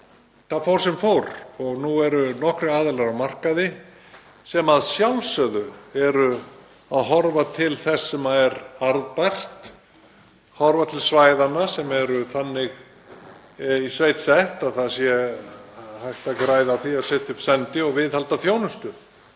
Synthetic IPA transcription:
θafɔwɾ̥sɛmfowɾɔɣnuɛɾʏnɔhkɾʏaːðɪlaɾawmar̥kaðɪ | sɛmaðsjawlsœðʏɛɾʏ | aðɦɔɾvat̪ʰɪlθɛsːɛmaɛɾaɾðpajr̥t̪ | hɔɾvat̪ʰɪlsvaːjðanasɛmɛɾʏθanːɪɣ | isvejt̪sɛht̪aðθasjɛ | hajht̪akɾaːjðaθiaðsɛːht̪ɪʏpsɛnt̪ɪɔɣvɪðhalt̪afjownʏst̪ʏ

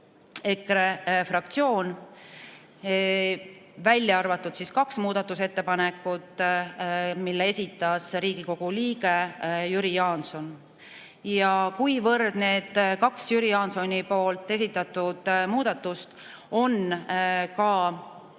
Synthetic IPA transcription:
e̞krefrɑkt̪sio̞ːn | vælʲːjɑɑrvɑt̪ːˑud̪̥siskɑksmuːd̪̥ɑt̪ːˑuse̞t̪ːepɑne̞kːˑut̪ | milːee̞sʲit̪ˑːɑsriːɡ̥iko̞ɡ̥uliːɡe̞jyɾijɑːnso̞n | jɑkujvɤrd̪̥ne̞ːd̪̥kɑksjyɾijɑːnso̞nʲipo̞ːlt̪ːˑe̞sit̪ˑːɑt̪ːˑud̪̥muːd̪̥ɑt̪ˑːust̪ | o̞n | kɑ

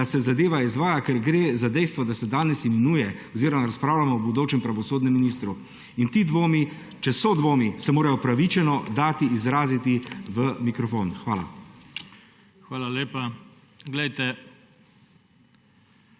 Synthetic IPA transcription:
asɛzad̪eːʋaizʋaːjakɛɾɡɾeːzad̪ɛjst̪ʋɔd̪asɛd̪aːnɛsimɛnuːjɛɔziːɾɔmaɾaspɾaːwlamɔɔbud̪oːt͡ʃɛmpɾaʋɔsoːd̪nɛmːinist̪ɾu | int̪iːd̪ʋoːmi | t͡ʃɛsɔd̪ʋoːmisɛmoːɾajɔpɾaʋit͡ʃɛnɔd̪aːt̪iːzɾaːzit̪iʋəmikɾɔfo̰ːnxʋaːla̰ | xʋaːlaleːpa | ɡlɛjt̪ɛ

